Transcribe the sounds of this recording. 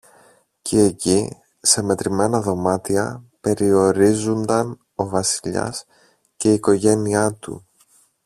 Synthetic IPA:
cʰieci | se̞me̞t̪ɾime̞nɐðo̞mɐt̪iɐpe̞ɾio̞ɾizund̪ɐn | o̞vɐsi̥ʎɐ̰s | ce̞iko̞ʝe̞niɐt̪ṵ

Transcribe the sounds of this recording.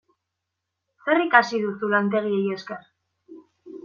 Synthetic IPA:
se̞rikasiðusulant̪̬e̞ɣ̞ieje̞ske̞r

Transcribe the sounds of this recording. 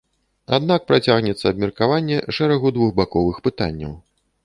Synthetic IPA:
a̰d̪nak̚pɾat͡sʲaɣnʲɛt̪sːɐːbmʲɛrkavanʲːɛʂɛɾɐɣud̪vuxbakɔvɨxpɨt̪a̰nʲːɐ̰w

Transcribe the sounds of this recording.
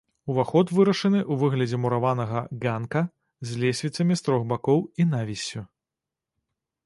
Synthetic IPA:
uvaxɔt̪vɨɾɐʂɐnɨʔuvɨɣlʲɐd͡zʲɛmuɾavanɐɣɐɡankɐ | zʲlʲɛsʲvʲit̪sɐmʲist̪ɾɔxbakɔwinavʲisʲːu

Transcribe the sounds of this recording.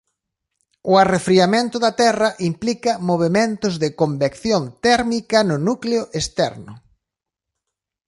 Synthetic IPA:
ʊarefɾiamẽnt̪ʊðɐt̪ɛrɐʔimplikɐmoβ̞emẽnt̪ʊzðɪkombekθjont̪ɛɾmikɐnʊnukleʊʔest̪ɛ̰ɾnʊ̰

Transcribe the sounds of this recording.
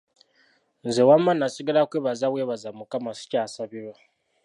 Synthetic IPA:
nzewamanasiɡalakweːβazawe̞ːβazamukamasi̥caːsaβiɾwa

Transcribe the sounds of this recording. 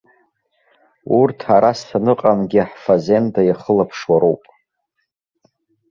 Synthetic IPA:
urtʰaɾastʰanɨqʼamɡʲiħfaze̞ndajaχəlapʰʂwaɾowpʼ

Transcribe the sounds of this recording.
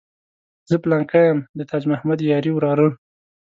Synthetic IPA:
zəplaŋkajamd̪ət̪ʰad͡ʒmahmad̪jɑɾiwɾɑɾə

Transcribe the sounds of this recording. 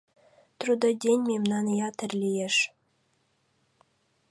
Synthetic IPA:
t̪ɾud̪ɑd̪ʲenʲmʲemnɑnɤjɑt̪ʰɘ̆rlʲijeʂ

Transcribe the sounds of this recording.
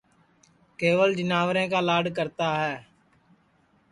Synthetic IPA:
keːʋəld͡ʒɪnaːʋɾẽːkaːlaːɖkəɾt̪aːɦɛː

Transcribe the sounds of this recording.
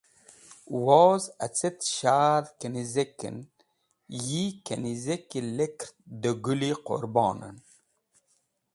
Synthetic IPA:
woːzat͡set̪ʃaːɾkənizekːə̰n | jikenizekːilekɾd̪əɡuliqo̰ɾbɑ̰ːnə̰n

